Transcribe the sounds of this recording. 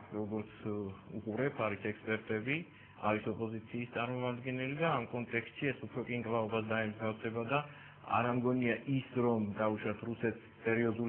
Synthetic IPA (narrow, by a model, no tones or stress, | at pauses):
ɾɔɡɔɾt̪sʰuqʼuɾɛpʰaɾisɛkspʼɛɾt̪ʼɛbi | aɾisɔpʼɔzit̪sʰiːst̪sʼaɾmɔmad̪ɡɛnɛlid̪aːmkʼɔnt̪ʼɛkst̪ʃiɛsupʰɾɔkʼiŋkʼlˠaɔbasd̪aɛmzɡ̪afsɛbad̪a | a̰ɾamɡɔniaʔisɾɔmd̪auʃɾat̪ʰɾusɛt̪ʰsːɛɾiɔzul